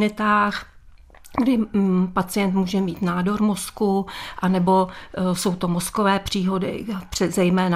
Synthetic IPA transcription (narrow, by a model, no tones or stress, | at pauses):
nɪt̪aːx | ɡdɪpat͡sɪjɛnt̪muːʒɛmiːt̪naːdo̞ɾmo̞skuʔanɛbo̞so̞wt̪o̞moskovɛːpr̝̥iːɦo̞dɪ̰pr̥ɛzɛjmɛːna